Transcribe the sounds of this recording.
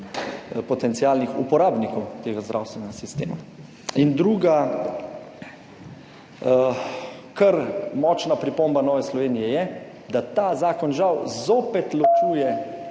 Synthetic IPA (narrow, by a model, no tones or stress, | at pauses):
pɔt̪ɛnt̪sialnixṵpɔɾaːbnikɔwt̪eːɡazd̪ɾa̰wst̪ʋɛnɛɡasist̪eːma | ind̪ɾuːɡa | kəɾmɔt͡ʃnapɾipombanɔːʋɛslɔʋeːnijɛjɛ | d̪at̪aːzaːkɔnʒawzoːpɛt̪lɔt͡ʃuːjɛ